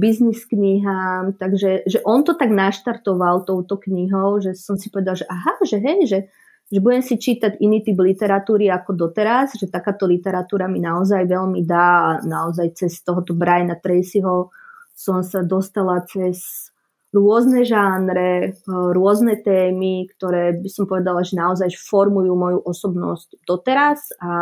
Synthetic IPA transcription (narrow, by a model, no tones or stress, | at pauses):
bizniskɲiɦaːmt̪aɡʒɛʒɛʔɔnt̪ɔt̪aɡnaʃt̪aɾt̪ɔʋalt̪ɔʊt̪ɔkɲiɦɔʊʒɛsɔmsi̥pɔʋɛd̪alʒɛʔaɦaʒɛɦɛjʒɛ | ʒɛbuɟɛmsit͡ʃiːt̪aɟiniːt̪iblit̪ɛɾat̪uːɾiakɔd̪ɔt̪ɛɾazʒɛt̪akaːt̪ɔlit̪ɛɾat̪uːɾaminaɔzajʋɛʎmid̪aːanaɔzajt͡sɛst̪ɔɦɔt̪ɔbɾajnat̪ɾɛjsiɦɔsɔmsad̪ɔst̪alat͡sɛz | ɾʊɔznɛʒanɾɛɾʊɔznɛt̪ɛːmikt̪ɔɾɛːbisɔmpɔʋɛd̪alaʒɛnaɔzajfɔɾmujuːmɔjuʔɔsɔbnɔ̰scd̪ɔt̪ɛɾaza